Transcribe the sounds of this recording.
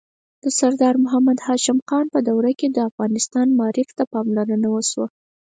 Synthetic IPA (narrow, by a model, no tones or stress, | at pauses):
d̪̥əsaɾd̪ɑɾmʊɦamad̪hɑʃɪmxɑnpəd̪awɾaked̪əafɣɑnɪst̪ɑnmɑɾɪft̪apɑmlaɾənawəʃwa